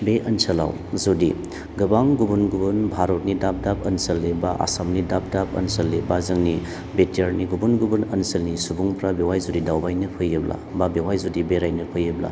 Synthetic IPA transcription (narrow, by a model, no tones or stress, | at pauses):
beɐnsɐla̰w | zodi | ɡɯbaŋɡubunɡubunbʱaɾotnidap̚dap̚ʰɐnsɐlːibaʔa̰samnidap̚dap̚ʰɐ̰nsɐlːibazɐŋni | betiaɾniɡubunɡubunɐnsɐlnisubuŋpɾabewajzudidawbajnɯpʰɯjɯbla̰babewajzudibeɾajnɯpʰɯjɯbla̰